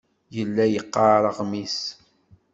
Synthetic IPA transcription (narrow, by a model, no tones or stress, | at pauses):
jəlːæjəqːɑɾˤəʁmis